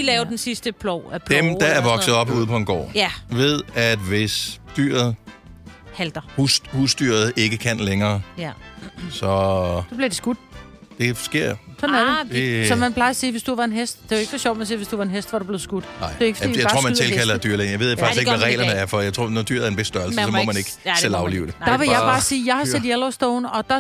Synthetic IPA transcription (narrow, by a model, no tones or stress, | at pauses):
ilɛːʊdensisd̥əpʰlɔ̥d̥emd̥ææɐʋɒ̽ɡsəð̩ˠɒ̽b̥uːðˠpʰɒ̽enɡ̥ɒ̰ːʋe̝ðˠæd̥ʋe̝sd̥yːɐ̰ð̩ˠ | hæld̥ɐhu̥husd̥yɐð̞̩ˠe̝ɡ̥əkʰæn̰leŋɐː | sɒ̽sɒ̽b̥liɐd̥esɡ̥ud̥̚d̥e̝fsɡ̥e̝ɐ̰sɒ̽næd̥e̥sɒ̽mænpʰlɑ̈ɪɐsiːʋe̝sd̥uʋɑ̈e̝nɦesd̥d̥e̝eɡ̥sɒɕjɒ̰ʊd̥mænsiːʋe̝sd̥uʋɑ̈e̝nɦesd̥ʋɑ̈ɾ̥ub̥le̝ð̩ˠsɡ̥ud̥dɑɪ̰̥e̝eɡ̥fijɑɪɑ̥ʁo̝̰mænt͡sʰelkʰælɐd̥yɐ̰len̩jaɪe̝ð̞̰ˠfɑ̈ɡ̥sɡeɡʋæʁɛ̰ɪlɐnəæɐfɒjaɪt͡sʰʁo̰ːnɒd̥y̰ɐ̰ðˠæɐenb̥esd̥ɶɐl̩səsɒ̽mɒmæne̝ɡ̥el̰ɑ̈ʊlḭːʊd̥ed̥ɑ̈ʋe̝jɑ̈ɪb̥ɑ̈ːsiːjɑ̈ɪhɑ̈ed̥ielɒsd̥ɔʊnɒ̽d̥ɑ